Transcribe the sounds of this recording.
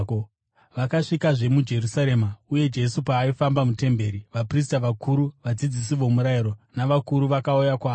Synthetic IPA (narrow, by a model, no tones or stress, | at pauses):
ʋakaʂikaʐe̞mud͡ʒe̞rusaɾe̞mauje̞d͡ʒe̞supaːifambamute̞mbe̞ːɾiʋapris̬taʋakʰuɾuʋad͡zid͡zis̬iʋo̞muɾajiɾo̞naʋakuɾuʋakaujakwaː